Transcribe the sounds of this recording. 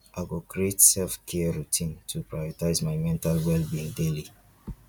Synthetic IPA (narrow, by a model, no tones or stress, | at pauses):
ʔaɡokɹietsɛlfkʰɛəɹutʰĩntʰupɹajɔtaɪzmaɪmɛ̃ntalwɛlbĩndeli